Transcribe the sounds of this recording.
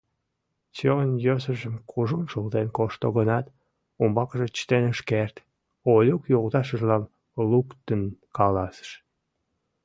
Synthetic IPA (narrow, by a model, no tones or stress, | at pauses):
t͡ɕeonjøsəʒəmkʰuʒunʃult̪enkoʃt̪oɣənɑt̪ | umbɑkəʒet͡ɕə̥t̪enəʃkert̪ | olʲukjoʁt̪ɑʃəʒlɑn | lukt̪ənkɑlɑsə̥ʃ